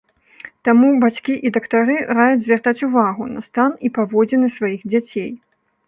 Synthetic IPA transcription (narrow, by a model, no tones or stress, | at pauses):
t̪amubat͡sʲkʲiʔid̪ɐkt̪aɾɨɾajɛd͡zʲzʲvʲart̪at͡sʲuvaɣunɐst̪anipavɔd͡zʲɛnɨsvajiɣd͡zʲat͡sʲej